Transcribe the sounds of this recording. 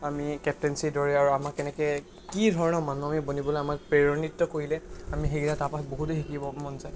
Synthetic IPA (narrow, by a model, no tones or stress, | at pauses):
amikɛp̚tɛnsidɔɹɛaɹuamakɛnɛkɛ | kidʱɔɹɔnɔmanuamibonibɔloamak̚pɹeɹɔnitːɔkoɹilɛamixeɡilatapaboɦutexikibɔmɔnzaj